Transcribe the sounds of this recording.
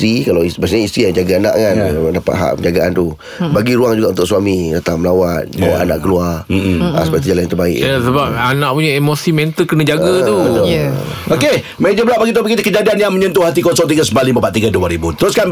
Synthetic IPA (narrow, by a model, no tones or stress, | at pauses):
t̪ɾikalawibasɲaist̪ɾijad͡ʒaɡaana̰ʔŋandapa̰t̪̚ɦa̰ʔpəɲd͡ʒaɡaʔant̪u | baɡiɾuaŋd͡ʒuɡaʔunt̪ʊʔ̚swamidat̪aŋməlawanuaʔana̰ʔkəluara̰səpait̪̬ud͡ʒalanjant̪əbaɪ̰ʔasəbap̚anãʔ̚puɲaemosimɛnt̪əlkənə̃d͡ʒaɡət̪ubət̪ʊ | oke | med͡ʒəbəlaʔbaɡit̪̬opəɡit̪ukəd͡ʒadianjaŋməɲənt̪̬uhat̪̬ikɔsɔŋt̪iɡasəmbalibəpaʔ̪t̪iɡaduaɾibut̪əɾʊskan